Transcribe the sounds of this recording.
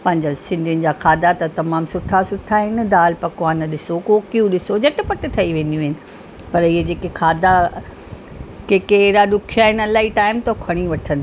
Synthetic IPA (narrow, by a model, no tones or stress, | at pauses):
pɐ̃ɦɪ̃ɲd͡ʑasɪ̃nd̪ʱiʊnɪ̆d͡ʑaːkʰaːd̪at̪ɐt̪ɐmaːmsʊʈʰasʊʈʰaɦɪnd̪aːlpɐkʋaːnɐɗɪsokoːkijũɗɪsod͡ʑɐʈɪpɐʈɪ̆t̪ʰɐiʋẽːn̆d̪ijũɦɪnɪ̆ | pɐɾɪɦed͡ʑeːkekʰaːd̪ʱa | keːkeɾaɗʊkʰijaɦɪnɪɐlaːiʈaːɪmt̪ɐokʰɐɽ̃iʋɐʈʰənɪ